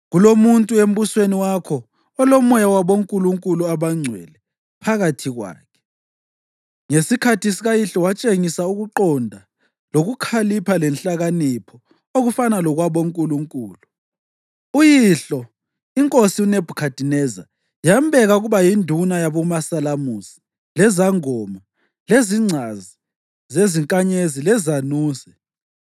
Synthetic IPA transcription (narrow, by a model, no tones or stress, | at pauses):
ɣulomuntʼuem̩βusweniwakʰɔ | ɔlɔmɔjawaβoŋkʼuluŋkʼuluaβaŋ͡ǀʱwɛ̰lɛ | pʰaɣatʰiɣwa̰ːkʰɛ̥ | ŋesikʰatʰisiɣajiɬɔwat͡ʃʼeŋisauɣuǃɔndʱa | loɣukʰalipʰalɛnɬaɣanipʰɔ | oɣufanalɔɣwaβoŋkʼuluŋkʼuːlu | ujiɬɔ | iŋkʼosiuneb̥ʱukʰad̥ʱinɛza̰ | jambʱɛɣauɣuβajindʱunajaβɔmasalamusi̥ | lɛzaŋɔma | leziŋ͡ǀʱazi | zeziŋkʼaɲezilɛzanuːzɛ